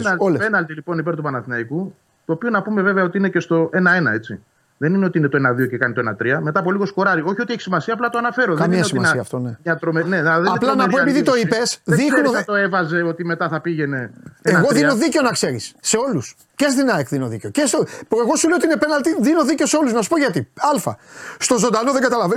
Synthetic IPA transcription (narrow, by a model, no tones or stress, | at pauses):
nɐlolepenɐlt̪ilipo̞nipe̞ɾt̪upɐnɐθinɐiku | t̪oːpio̞nɐpume̞veveɐo̞t̪iine̞ce̞st̪o̞ʔe̞nɐe̞nɐe̞t͡sḭ | ðe̞nineot̪inet̪oenɐðio̞ce̞kɐnit̪oenɐt̪ɾiɐme̞t̪ɐːpo̞liɣo̞sko̞ɾɐɾio̞çio̞t̪ieçi̥simɐsiɐːplɐt̪oɐnɐfe̞ɾoðkɐmiɐosiimɐsiɐft̪oneɲɐt̪ɾomeneðeɐplɐnɐoepiðit̪o̞ipesðixnnoɐt̪oe̞vɐze̞o̞t̪ime̞t̪ɐθɐpiʝe̞ne̞eɣo̞ðino̞ðiceonɐkse̞ɾisːe̞o̞lus | cesðinɐekðino̞ðicecesopɾeɣo̞sulejot̪iinepe̞nɐlt̪iðino̞ðice̞oseo̞luznɐsu̥poʝɐt̪iɐlfɐ̰st̪o̞zo̞nd̪ɐno̞ðeɡɐt̪ɐlɐve